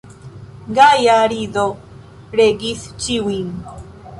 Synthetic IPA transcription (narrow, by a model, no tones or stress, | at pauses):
ɡajaɾiðo | ɾeɡiθt͡ʃiwiŋ